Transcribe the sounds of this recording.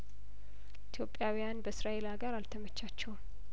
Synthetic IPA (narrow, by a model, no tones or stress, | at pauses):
it̪ʰjo̞pʼːjawijanbəsɾae̞laɡaɾalt̪ʰəmət͡ʃːat͡ʃːɛwm